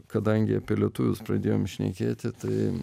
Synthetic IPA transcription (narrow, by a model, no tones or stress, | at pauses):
kɐd̪ɐŋʲɡʲɪɐpʲeːlʲɛt̪ʊʋʲʊspɾɐd̪ʲeːjoːmʃʲnʲɛ̰kʲeːt̪ʲɪt̪ɐɪ